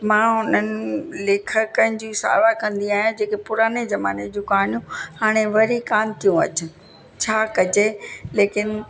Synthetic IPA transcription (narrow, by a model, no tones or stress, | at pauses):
mãːɦʊn̤ənɪ̆leːkʰəkənɪ̆d͡ʑiːsa̰ːʋakɐ̃nd̪iaːɦĩd͡ʑeːkepʊɾaːnezɐma̰ːned͡ʑũkaːɳijũhaːɽ̃eʋɐɾikaːnt̪ʰijũɐ̰t͡ɕɪ̆ | t͡ɕʰaːkɐd͡ʑeleːkɪn